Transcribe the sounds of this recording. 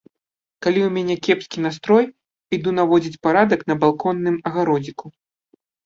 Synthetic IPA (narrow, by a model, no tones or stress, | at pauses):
kalʲiwmʲanʲɛkʲɛpskʲin̪ast̪ɾɔj | id̪un̪avɔd͡zʲit͡sʲpaɾad̪ɐknɐbalˠkɔnːɨmɐɣaɾɔd͡zʲiku